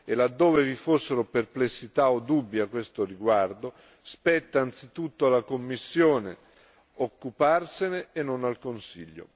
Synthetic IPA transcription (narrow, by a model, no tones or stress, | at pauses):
elad̪ːoːvevifosːeɾoperplesːit̪aod̪ubːjakːwest̪oriɡward̪o | spɛt̪ːaːnt̪sit̪ut̪ːoalːakomːisːjoːne | okːuparseneːnːonalkonsḭʎːo̰